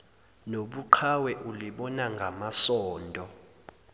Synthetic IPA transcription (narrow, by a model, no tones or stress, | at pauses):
noɓuǃʰawɛʔuliɓɔnaŋɡʱamasɔːndʱɔ